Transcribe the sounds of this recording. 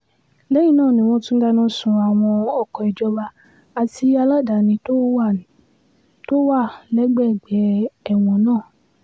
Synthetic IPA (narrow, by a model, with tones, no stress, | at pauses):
lɛ˦jĩ˦˨nãː˦˨nĩ˨w̃ɔ̃˧˦tũ˦ɡa˧nãː˦sũ˨˧a˨w̃ɔ̃˧ɔ˨kɔ˨i˨d͡ʒɔ˧ba˧ | a˧ti˧˦a˧la˦˨da˨nĩ˧to˦ | to˦wa˦˨lɛ˨˦ɡ͡bɛ˦˨ɡ͡bɛ˨˦ɛ˦˨w̃ɔ̃˧nãː˦˨